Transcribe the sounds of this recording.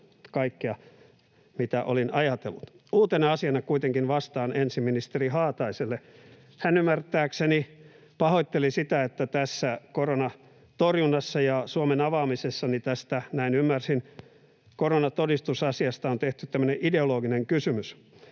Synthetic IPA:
kɑikːiɑ | mit̪æʔolinɑjɑt̪ḛlːut̪ | uːt̪eneɑsiɑnɑkuit̪eŋkinʋɑst̪ɑːnensimminist̪erihɑːt̪ɑiselːe | hænymːært̪ˑæːkseni | pɑhoit̪ːelisit̪æet̪ːæt̪æsːækoronɑ | t̪orjunːɑsːɑjɑsuomenɑʋɑːmisesːɑnit̪æst̪ænæinymːærsin | koronɑt̪odist̪usɑsiɑst̪ɑont̪eht̪ytt̪æmːøneʔideoloːɡineŋkysymys

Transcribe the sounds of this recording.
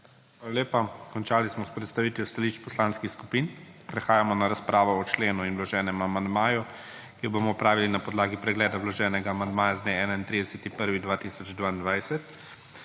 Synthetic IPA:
xʋaːlaleːpakɔnt͡ʃaːlismɔspɾɛt̪st̪aʋiːt̪just̪aliʃt͡ʃpɔslanskixskupin | pɾɛxaːjamɔnaɾaspɾʔaːʋɔɔt͡ʃleːnuinwlɔʒɛːnɛmamand̪maːju | kijɔbomɔːpɾaːʋilinapɔd̪laːɡipɾɛɡlɛːd̪awlɔʒɛːnɛɡaːmand̪maːjazd̪neɛːnaint̪ɾid̪ɛsɛt̪ipəɾʋid̪ʋaːt̪isɔd͡ʒd̪ʋaːind̪ʋajsɛt̪

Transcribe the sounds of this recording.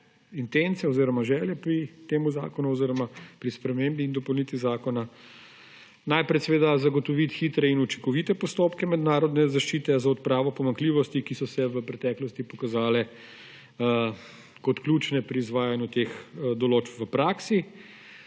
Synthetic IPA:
int̪ent̪sɛɔziːɾɔmaʒɛljɛpɾit̪eːmuza̰ːkɔnuɔziɾɔmapɾispɾɛmembiːnd̪ɔpɔwlnit̪ʋizaːkɔna | najpɾɛsɛʋeːd̪azaɡɔt̪ɔʋit̪xiːt̪ɾɛinut͡ʃi̥ŋkɔʋit̪ɛpɔst̪oːpkɛmɛd̪naːɾɔd̪nɛzaʃt͡ʃiːt̪ɛzaɔt̪pɾaːʋɔpɔmaŋkliːʋɔst̪ikisɔsɛʋəpɾɛt̪ɛːklɔst̪ipɔkazaːlɛ | kɔt̪klʲuːt͡ʃnɛpɾiːzʋaːjanjut̪exd̪ɔloːt͡ʃpʋəpɾaːksi

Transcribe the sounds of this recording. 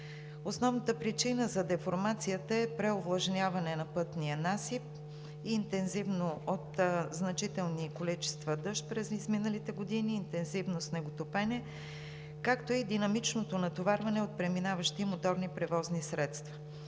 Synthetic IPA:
osnɔvnət̪əpɾit͡ʃinəzɐd̪ɛfoɾmat̪sijət̪əɛpɾɛovlˠɐʒnʲavɐnɛnɐpɤt̪niənasip̚ | iːnt̪ɛnzivnoot̪znɐt͡ʃit̪ɛlˠnikolit͡ʃɛ̥st̪vɐd̪ɤʃt̪̚pɾɛzizminəlit̪ɛɡod̪iniːnt̪ɛnzivnosnɛɡot̪opɛnɛ | kakt̪oid̪inɐmit͡ʃnot̪onɐt̪ovaɾvɐnɛot̪̚pɾɛminavəʃt̪imot̪ɔɾnipɾɛvɔznisɾɛt̪st̪və̥

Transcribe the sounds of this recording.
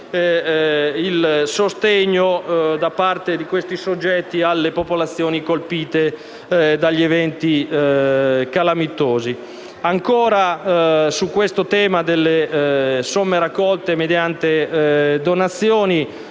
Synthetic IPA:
ilsost̪eɲːod̪apart̪ed̪ikwest̪isod͡ʒːɛt̪ːialːepopolat̪sːjoːnikolpiːt̪e | d̪aʎːievɛnt̪i | kalamit̪ːoːzi | aŋkoːɾasukːwest̪ot̪ɛːmad̪elːesomːeɾakːɔlt̪emed̪jant̪ed̪onat̪sːjoːni

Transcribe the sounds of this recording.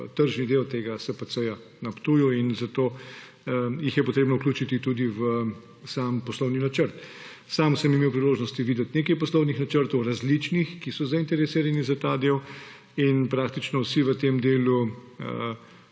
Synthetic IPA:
t̪əɾʒnid̪ewt̪eːɡasɛpəsəja | nɐpt̪uːjɔinzat̪o | jixjɛpoɔt̪ɾeːbnɔuklʲuːt͡ʃit̪it̪ud̪iʋə | saːmpɔslɔwninat͡ʃəɾt̪ | saːmsəmimeːwpɾiloːʒnɔst̪iʋiːd̪ɛt̪neːkɐjpɔslɔwnixnat͡ʃəɾt̪ɔwɾazlit͡ʃnixkisɔzaint̪ɛɾɛsiːɾanizat̪aːd̪eːw | inpɾaːkt̪it͡ʃnɔwsiʋət̪emd̪eːluə

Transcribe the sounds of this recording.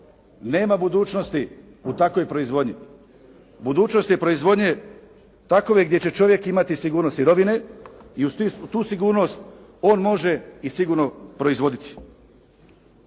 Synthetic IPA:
ne̞ːmabud̪uːt͡ʃno̞st̪i | ut̪ako̞jpɾo̞izʋo̞d̪ɲi | bud̪uːt͡ʃnost̪jepɾo̞izʋo̞d̪ɲe | t̪ako̞ʋeɡd̪je̞t͡ɕe̞t͡ʃo̞ʋje̞kimat̪isiɡuːɾnosiɾo̞ʋineiusisut̪uːsiɡuːɾno̞st̪ | o̞ːnmo̞ʒe̞isiɡuɾno̞pɾo̞izʋo̞d̪it̪ʰi̥

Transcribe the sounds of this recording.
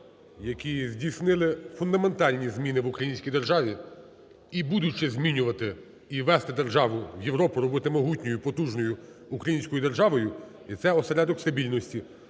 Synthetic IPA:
jɐkʲizʲdʲijsnɪlˠɪfʊnd̪ɐme̞nt̪ɑlʲnʲizmʲinɪʋʊkɾɐjinʲsʲkʲijd̪erʒɑʋʲi | ibud̪ʊt͡ʃɪzʲmʲinʲʊʋɐt̪ɪ | iʋɛst̪ɪd̪erʒɑʋʊʋjeʋɾɔpʊɾɔbɪt̪ɪmɔɦutʲnʲɔjʊpɔt̪uʒnɔjʊː | kɾɐjinʲsʲkɔjʊd̪e̞rʒɑʋɔjʊ | it̪sɛɔseɾʲad̪ɔkst̪ɐbʲilʲnɔsʲtʲi

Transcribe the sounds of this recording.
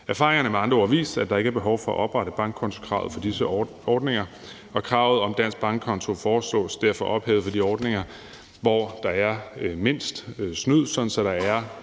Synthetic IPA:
æɐfɑ̈ːʁeŋɐnəmeɑ̈nd̥ʁɐɒʋḭːsd̥æd̥ɑ̈e̝ɡ̥əæɐb̥e̝ɦɒʊfɒ̽ɒ̰ʔɒ̽b̥ʁɑɾəb̥ɑ̈ŋɡ̥̚ʰɒ̽nt͡sʰo̝kʰʁɑ̈ʊð̞̩ˠfɒ̽d̥isə | ɒːd̥neŋɐ | ɒ̽kʰʁɑ̈ʊð̞̩ˠɒ̽md̥æn̰sɡ̥̚b̥ɑ̈ŋɡ̥ʰɒ̽nt͡sʰo̝fɒːslɔ̰̽ːsd̥æɐ̰fɒ̽ʔɒ̽b̥hɛ̰ːʊð̩ˠfɒ̽d̥iɒːd̥ne̝ŋɐ | ʋɒd̥ɑ̈æɐme̝n̰sd̥snyð̰ˠsɒ̽dn̩sɒ̽ɾ̥ɑ̈æɐ

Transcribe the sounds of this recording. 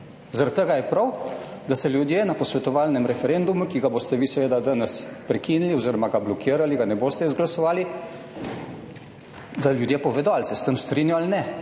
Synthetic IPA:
zaɾat̪t̪ːəɡajɛpɾawd̪asɛljud̪jeːnapɔsʋɛt̪ɔʋaːlnɛmɾɛfɛɾend̪umukiɡaboːst̪ɛʋisɛʋeːd̪ad̪ənɛspɾɛkiːniliɔziɾɔmaɡablɔkʰiːɾaliɡanɛboːst̪ɛizɡlasɔʋaːli | d̪aljud̪jeːpɔʋeːd̪oalsɛst̪əmst̪ɾinjaalnɛ

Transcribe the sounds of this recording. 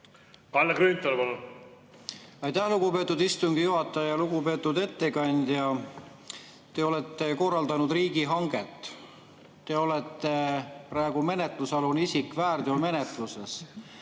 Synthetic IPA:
kɑlːekɾyːnʲt̪ːolpol | ɑjt̪æhluɡ̥upe̞ːt̪ːˑud̪ist̪uŋɡ̥ijuɦɑt̪ːˑɑjɑluɡupe̞ːt̪ːˑud̪e̞t̪ːe̞kɑnʲd̪̥jɑ | t̪e̞o̞le̞t̪ˑːe̞ko̞rːɑld̪ɑnud̪̥riːɡiɦɑŋɡ̥e̞t̪ːˑ | t̪e̞o̞le̞t̪ːe̞prɑe̞ɡ̥ume̞ne̞t̪ˑlusɑlunisikˑvæːrd̪̥jolme̞net̪luses

